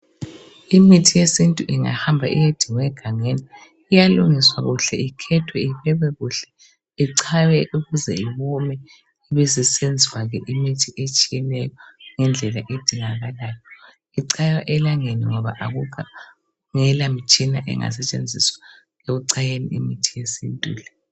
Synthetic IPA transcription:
imitʰijesintʼuʔiŋa̰hambʱaʔḭjed̥ʱiŋwɛɡ̥ʱaŋeniː | jaluŋiswaɣuɬɛikʰɛtʰwɛiɸɛβɛɣuɬɛ̥ | iǀʰawɛʔuɣuzɛ̰iβɔmɛ | iβɛzisend͡zʱiwaɣɛʔimitʰiʔet͡ʃʼijɛlɛjɔŋɛnd͡ɮʱɛlaʔed̥ʱiŋaɣalaːjɔ | iǀʰajaʔɛlaŋeniŋɔβa̰ʔaɣuka | ŋɛlamit͡ʃʼina̰ʔɛ̰ŋa̰sɛt͡ʃʼend͡zʱiswḁ | ɣeɣuǀajenḭimitʰijesḭntʼṵːlɛ

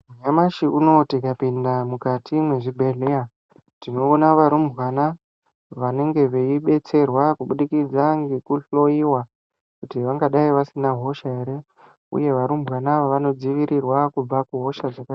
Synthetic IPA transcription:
muɲamaʃiuno̞tikapindamukatʰimwe̞ʐibʱe̞ɮeja | tino̞ːnaʋaɾumbwana | ʋane̞ŋɡe̞ʋeiɓe̞t͡se̞rwakuɓuɗikid͡zaŋɡekuɬo̞iwa | kutiʋaŋɡaɗaiʋasinaɦo̞ʃaɦe̞ɾe̞ | ṵje̞ʋaɾumbwanaʋaʋano̞d͡ziʋiɾirwakub͡vakuɦo̞ʃaʐaka

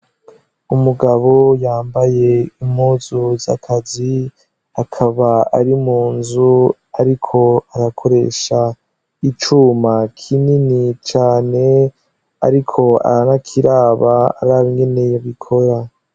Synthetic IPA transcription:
umuɡaβo̞jaːmbaje̞imhuːzuza̰kʰazi | akʰaβaaɾimuːnzu | aɾikʰo̞aɾakʰo̞ɾe̞̰ʃa | it͡ʃuːmakʰininit͡ʃaːne̞ | a̰ɾikʰo̞a̰ɾanakʰiɾaːβa̰ːɾaːβiŋɡe̞ne̞joβikʰo̞ɾa

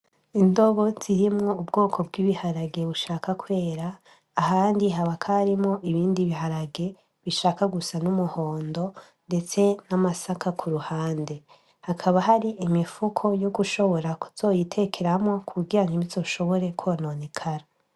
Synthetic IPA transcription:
indo̞βo̞z̥iɾimŋo̞ubɡo̞ːkʰo̞b̚ɡiːβihaɾaɡe̞βuʃaːkakwe̞ːɾaː | haːndiɦaβakʰaɾimŋo̞ʔiβiːndiβiɦaɾaɡe̞ | βiʃaːkaɡusanumuho̞ːndo̞ | nde̞t͡se̞namasakʰakʰuɾuhaːnde̞ | hakʰaβaɦaɾiʔimifukʰo̞joɡuʃo̞βo̞ɾaku̥z̥o̞ːjitʰe̞kʰe̞ɾamŋo̞kʰuɡɡiɾaŋiβizo̞ːʃo̞βo̞ɾe̞kwononikʰaɾa

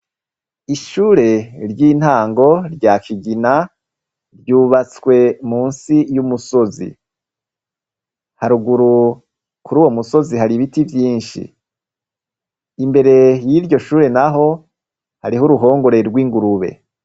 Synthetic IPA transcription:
iʃuːɾe̞ɾɟiːn̥haːŋɡo̞ɾɟaːkiɡina | ɾɟuːβat͡skwe̞muːnsijumuso̞zḭ | haɾuɡuɾu | kuɾuːwo̞muso̞ziɦaɾiβitivjiːnʃḭ | imbe̞ɾe̞jiɾɟo̞ʃuːɾe̞naɦo̞ | haɾihuɾuɦo̞ːŋɡo̞ɾe̞ɾɡwiːŋɡuɾuβe̞̰

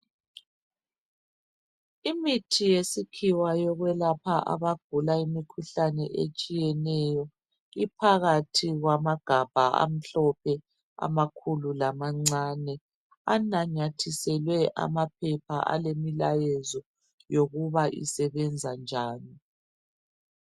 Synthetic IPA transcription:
imitʰijesikʰiwajɔɣwɛlapʰaʔa̰βaɡ̥ʱulaimikʰuɬanɛʔet͡ʃʼijɛnɛjɔ | ipʰaɣatʰiɣwamaɡ̥ʱab̥ʱaa̰m̩ɬɔpʰɛ | a̰makʰululamaŋ͡ǀanɛ | anaɲatʰisɛlwɛʔa̰map̚ʰɛpʰaʔa̰lemilajɛzɔ | joɣuβaʔḭsɛβɛnd͡zʱand͡ʒʱaːni

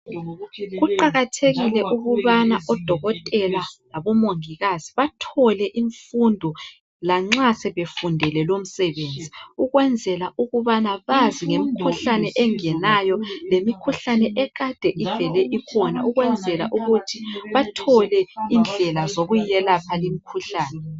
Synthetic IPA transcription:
ɣuǃaɣatʰeɣilɛʔuɣuβanaʔɔd̥ʱɔɣɔtʼɛlalaβɔmoŋiɣaz̥iβatʰɔlɛʔiɱfundʱɔ | laŋ͡ǁasɛβefundʱɛlɛlom̩sɛβend͡zʱiuɣwɛnd͡zʱɛlaʔuɣuβanaβaziŋemikʰuɬanɛʔɛŋɛnajɔlemikʰuɬanɛʔɛɣad̥ʱɛʔivɛlɛʔikʰɔna̰uɣwɛnd͡zʱɛla̰ʔuɣutʰiβatʰɔlɛind͡ɮʱɛlazoɣuɛlapʰalimikʰuɬaːnɛ

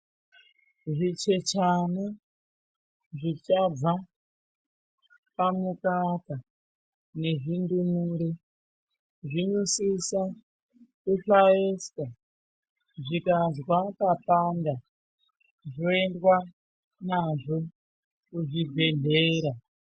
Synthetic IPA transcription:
ʐit͡ʃe̞t͡ʃana | ʐit͡ʃab͡va | pamukaka | ne̞ʐindumuɾe | ʐinusisa | kuɬaeska | ʐikazwakapanda | ʐoendwa | naʐo̞ | kuʐibʱe̞ɮe̞ːɾa

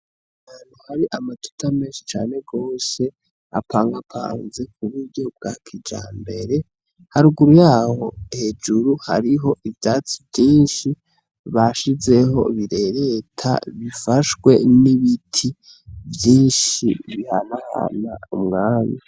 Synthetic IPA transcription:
haːnuhaɾiʔamatu̥tʰameːnʃi̥t͡ʃaːne̞ɡo̞ːse̞ | a̰pʰaːŋɡapʰa̰ːnzekuβuɾɟo̞b̚ɡa̰kʰid͡ʒa̰ːmbe̞ɾe̞ | haɾuɡuɾujaːho̞he̞d͡ʒuɾuha̰ɾiɦo̞ʔivjaːt͡sivjiːnʃi | βaʃize̞ɦo̞̰βiɾe̞ɾe̞tʰa̰βifaʃɡwe̞̰niβitʰi | vjiːnʃiβihanaha̰na̰umŋaːna

